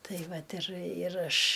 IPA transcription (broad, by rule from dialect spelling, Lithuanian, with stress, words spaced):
ˈtɐɪ ˈʋɐt ɪr ɪr ˈɐʃ